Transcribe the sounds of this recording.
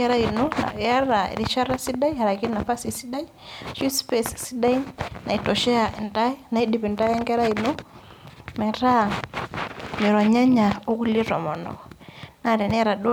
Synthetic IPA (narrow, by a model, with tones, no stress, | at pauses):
ɛ˦ɾa˦i˨nu˦na̰˨ja˦ɾa˨ḭ˨ɾi˦ʃa˦ɾa˦si˦da˦iha˨ɾa˨ki˦na˨fa˦si˨si˦da˦i˦ʃu˦spɛ˦ssi˦da˦i˦na˨i˨tɔ˨ʃɛ˦a˨ʔi˨nda˦i˦na˨i˦di˨pi˨nta˦jɛ˦ŋɡɛ˦ɾa˦i˨no˦ | mɛ˨ɾa˦˨ | mi˨ɾɔ˨ɲa˦ɲa˨u˦ku˦li˦ɾɔ̰˨mɔ˨nɔ̰˨ɔna˦˨ɾɛ˨n˦ɾa˨du˦